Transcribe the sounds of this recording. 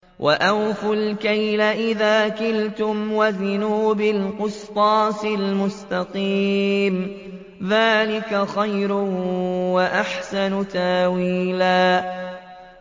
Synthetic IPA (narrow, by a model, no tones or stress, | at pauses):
wʔa̰ʔawfʊlkajlaʔɪðaːkɪlt̪ʊmwaðʊnuːbɪlqʊst̪ˤɑːsɪlmʊst̪ɑqiːm | ðaːlɪkaxajɾʊwaʔaħsanʊt̪awiːlaː